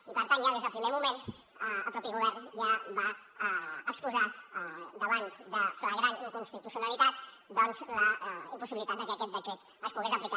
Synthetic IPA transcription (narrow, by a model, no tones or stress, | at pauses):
ipəɾt̪anjaðezapɾimeɾmumẽn | apɾɔpiɣuβ̞ɛɾnjaba | əkspuza | d̪əβ̞ant̪d̪afelaɣɾankunst̪it̪usjonalit̪at̪ | d̪ɔnzlaimpusiβilit̪at̪d̪akɛakɛt̪̚bəd͡ʒɛt̪ | əspuðezaplika